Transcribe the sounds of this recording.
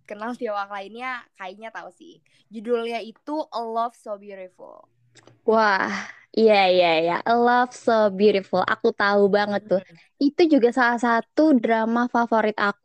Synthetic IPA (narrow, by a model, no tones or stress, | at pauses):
kənalsiawaklainɲakaiɲat̪ausɪ̰h | d͡ʒudulɲait̪uʔəlɔfsobjuɾifṵl | wah | ijaijaja̰ʔəlɔfsobjuɾifulʔa̰kut̪aubaŋət̪ːʊ | it̪ud͡ʒuɡasalasat̪udɾamafafoɾɪt̪ak̚u